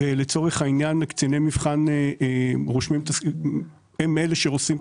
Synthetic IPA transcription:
elet͡so̞ʁeχhainjanekt͡sinemivχaneʁoʃmimt̪as | emeleʃeʁosim

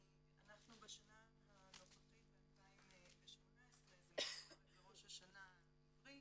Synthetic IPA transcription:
anaχnubeʃana | hanoχaχitbetaimbeʃmo̞naesʁezbeʁo̞ʃhaʃana | ʁi

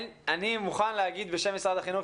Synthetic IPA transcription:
nanimuχanleaɡid̪be̞ʃe̞misʁad̪aχinu

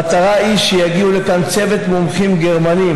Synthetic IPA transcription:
at̪aʁaiʃejaɡiulekant͡se̞vet̪momχimɡe̞ʁmani

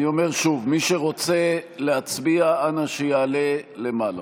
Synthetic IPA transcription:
io̞me̞ʁʃuvmiʃeʁo̞t͡selehat͡sbiaanaʃejaːle̞le̞mala̰

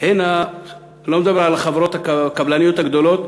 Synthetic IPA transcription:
hena | lomd̪abeɾʕalaχavɾot̪hakkablanijot̪haɡd̪olot̪

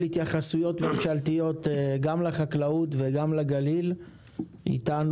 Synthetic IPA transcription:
it̪jaχasujo̞tme̞mʃalt̪ijo̞t̪ɡamleχaklautveɡamleɡalil | ḭtan

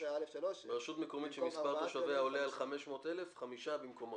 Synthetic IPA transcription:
obeʃut̪mekomitʃemispaʁaʃaveaolealχame̞ʃmo̞ːt̪e̞lefχamiʃabimkomo

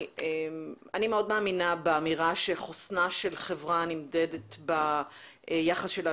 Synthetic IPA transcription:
em | animeo̞dmaːminabeamiʁaʃeχosnaʃe̞lχevʁanimdedet̪ba | jaχasʃela

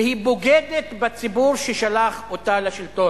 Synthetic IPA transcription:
hiboɡed̪et̪bat͡sibuʁʃeʃalaχot̪aleʃilt̪o

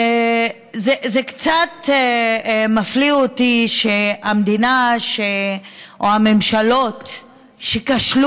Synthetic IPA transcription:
e | zezekt͡sat | mafliotiʃeamd̪inaʃeʔoame̞mʃalo̞t | ʃekaʃlu

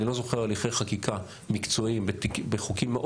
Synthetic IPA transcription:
ilo̞zo̞χeʁaliχejχakikʰa | mikt͡so̞imbetibeχukimːeʔ

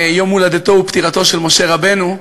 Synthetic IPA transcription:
jo̞mulad̪et̪o̞upt̪iʁat̪o̞ʃelmo̞ʃe̞ʁabe̞nu

